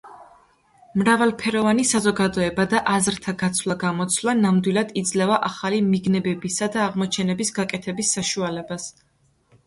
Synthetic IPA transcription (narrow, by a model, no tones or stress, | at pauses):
mɾavalˠpʰɛɾɔvanisazɔɡad̪ɔɛbad̪aʔazɾt̪ʰaɡat̪sʰvlˠaɡamɔt̪sʰvlˠanamd̪wilˠad̪̥id̪zlɛvaʔaχalimiɡnɛbɛbisad̪aːʁmɔt͡ʃʰɛnɛbisɡakʼɛt̪ʰɛbisːaʃualɛbas